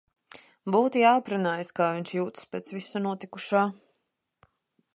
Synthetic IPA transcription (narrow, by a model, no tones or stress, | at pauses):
buːt̪ijaːpɾanaːjskaːviɲʲʃjuːt̪speːt̪svisunuɔt̪ikuʃaː